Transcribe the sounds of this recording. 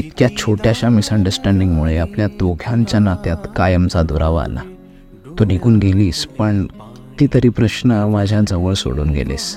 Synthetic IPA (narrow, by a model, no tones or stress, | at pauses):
it̪kjat͡ɕʰoʈjaɕamisəɳɖəɾsʈɛ̃ɳɖiŋɡmuɭeapljat̪ʋoɡʱjãɲt͡ɕjanat̪jat̪kajəmt͡sad̪uɾaʋa̰la̰ | t̪onikuːnɡeliːspəɳ | t̪iːt̪əɾiːpɾəɕnəmad͡ʑʱãd͡zəʋəɭso̰ɽṵːnɡḛlḛs